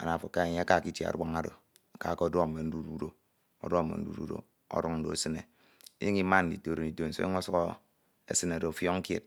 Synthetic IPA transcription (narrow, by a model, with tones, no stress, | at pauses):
a̰˨na˨fo˨kːa˦e˨ɲe˦a˦ka˨ki˦tje˨a̰˨ɾwa˦ŋa˦do̰˨ | ka˨ke˦o˦do˦˨me˨n̩˦du˦ɾu˦do˦˨ | o̰˦dɔ˦˨mḛ˨n̩˦dṵ˦dṵ˦do̰˨ | o̰˦ɾu˦ŋn̩˦do̰˨e˦sɨ˦ne˨ | ḭ˦ji˦ŋi˦ma˦n̩˨di˨to˨ɾo˨ni˨to˨n̩˨so̰˦i˦ŋo˦su˦ko˦ | ḛ˦sɨ˦na˨do˨fjɔ˦ŋ̩˦kjḛ˦t̚